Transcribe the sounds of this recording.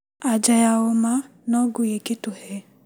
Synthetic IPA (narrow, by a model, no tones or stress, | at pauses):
ad͡ʒajaoma | nɔɡʊjeketʊhɛ